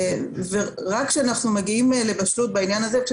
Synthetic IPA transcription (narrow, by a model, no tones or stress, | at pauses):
ve | ʁakʃeanaχnumaɡiimle̞baʃlut̚bainjanazeʃ